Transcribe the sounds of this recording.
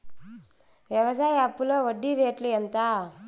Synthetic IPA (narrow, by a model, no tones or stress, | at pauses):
ʋjɐʋɐsaːjapːulɐʋɐɖːiɾeːʈlent̪a